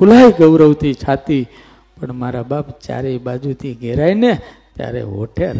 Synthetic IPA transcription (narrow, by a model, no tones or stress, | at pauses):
kʰulajɡəʋɾəwt̪ʰit͡ʃʰat̪i | pəɳmaɾabapt͡ʃa̰ɾebad͡ʒut̪ʰiɡeɾaine | t̪ja̰ɾḛo̰ʈʰeɾ